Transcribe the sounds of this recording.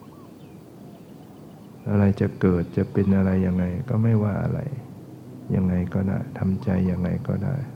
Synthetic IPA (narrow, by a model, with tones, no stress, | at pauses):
ʔa˧ɾa˧jt͡ɕa˨˩kɤː˨˩t̪̚t͡ɕa˨˩pe˧nʔa˧ɾa˧jːa˧ŋːa˧jkɔː˥˩ma˥˩jwaː˥˩ʔa̰˧ɾa̰˧j | ja˧ŋːa˧jkɔː˥˩da̰ː˥˩jt̪ʰa˧mt͡ɕa˧jːa˧ŋːa˧jkɔː˥˩da̰ː˥˩j